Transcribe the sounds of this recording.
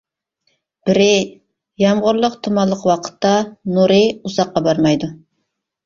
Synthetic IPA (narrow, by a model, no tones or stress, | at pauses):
b̥ɪɾɪ | jɑmʁʊɾlˠəqt̪ʰumɑlˠːəqwɑqʰə̥t̪ːɑnuɾɪuzɑqːɑbɑɾmɑjd̪u